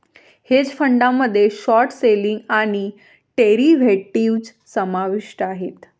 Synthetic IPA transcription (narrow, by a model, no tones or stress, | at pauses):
hed͡ʑfəɳɖãmːəd̪ʱːjeʃɔɾʈseliŋɡañi | ʈeɾiʋʱeʈiʋd͡ʑ | səmaʋiʃʈaɦet̪